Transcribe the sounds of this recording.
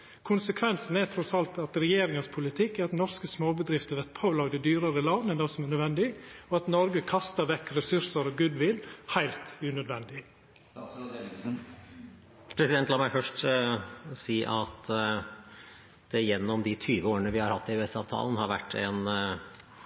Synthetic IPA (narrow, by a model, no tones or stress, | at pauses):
kʰʊnsəkʰʋɛnsn̩æt̪ʰɾɔsɑlt̪ɑt̪ɾɛjeːɾɪŋəspʰʊlɪt̪ʰɪkːæɾɑt̪nɔɾskəsmoːbəd̪ɾɪft̪əʋɛt̪pʰoːlɑːɡd̪ɛd̪yːɾəɾəlɑnːɛnɑsɔmænœd̪ʋɛnd̪ɪɔɑt̪nɔɾɡəkʰɑst̪əɾʋɛkːɾɛsʉɾsəɾɔɡʉd̪ʋɪlhæɪlt̪ʉnœd̪ʋɛnd̪ɪ | pʰɾɛsɪd̪ɛnt̪lɑːmæɪfœʂʈ | siːʔɑt̪ | d̪̥ɛjɛnːɔmd̪ɪt̪ʰyːʋəoːəɳəʋɪhɑɾhɑt̪ːɪʉɛsɑ̰ːʋt̪ʰɑ̰ːlnhɑɾʋæ̰ʈːɛn